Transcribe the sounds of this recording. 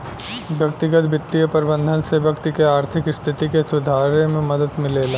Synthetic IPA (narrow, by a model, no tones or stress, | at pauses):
ʋjɐk̚t̪ɪɡət̪bɪt̪ːijəpəɾbə̃nd̪ʱənseʋjɐkt̪ikeaːɾt̪ʰɪkɪst̪ʰɪt̪ikesʊd̪ʱaːɾemẽmɐd̪əd̪mɪleːlaː